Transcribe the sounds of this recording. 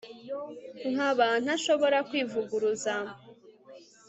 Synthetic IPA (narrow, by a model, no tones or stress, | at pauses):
ŋ̥aβan̥haʃo̞βo̞ɾakwiːvuɡuɾuza